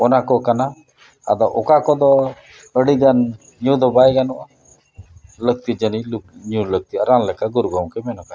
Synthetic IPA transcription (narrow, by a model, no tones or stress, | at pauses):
ɔnakɔkana | a̰d̪ɔʔɔkakɔd̪ɔ | əɽiɡan | ɲũd̪ɔbajɡanɔʔa | lək̚t̪id͡ʒəniluɲũləɡ̚t̪iaɾanlɛkaɡuɾɡɔwkɛmɛnɔka